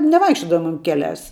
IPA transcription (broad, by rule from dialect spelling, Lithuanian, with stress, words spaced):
nʲɛˈʋɐɪkʃʲt͡ʃʲoːdɐʋʊmʲeːm ˈkʲæːˌlʲæːs